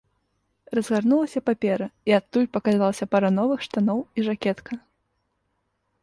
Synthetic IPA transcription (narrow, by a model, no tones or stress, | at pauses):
rɐzɣarnulˠɐsʲɐpapʲɛɾɐiat̪ːulʲpɐkazalˠɐsʲɐpɐɾɐnɔvɨxʂt̪anɔwiʐakʲɛt̪kʰɐ